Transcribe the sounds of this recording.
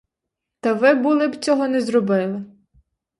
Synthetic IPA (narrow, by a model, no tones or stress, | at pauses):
t̪ɐʋɪbulˠɪbt͡sʲɔɦɔnɛzɾɔbɪlˠɪ